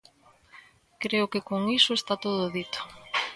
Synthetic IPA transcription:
kɾeʊkɪkoŋisoest̪at̪oðʊðit̪o̥

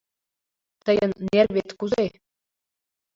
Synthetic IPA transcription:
t̪ɤ̆jɤ̆nːerβʲet̪kuze

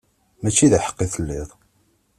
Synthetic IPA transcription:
mæt͡ʃːiðiħə̥qːiθəlːɪðˤ

